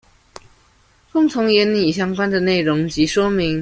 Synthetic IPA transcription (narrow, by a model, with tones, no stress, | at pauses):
kʊ˥˩ŋt͡s̪ʰʊ˧˥ŋjɛ˨˧˥nni˨˩ɕ̬jɑ˥ŋkwa˥nd̪ə˨ne˥˩ɪɻʊ˧˦ŋt͡ɕi˨˥ʂwɔ˥mi˨˦ŋ